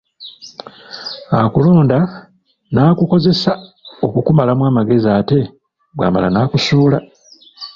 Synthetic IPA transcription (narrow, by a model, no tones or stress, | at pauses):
akulo̞ːnda | naːkuko̞ze̞sao̞kukumalamwaːmaɡe̞ziaːte̞ | ɡwa̰ːma̰la̰naːkusuːla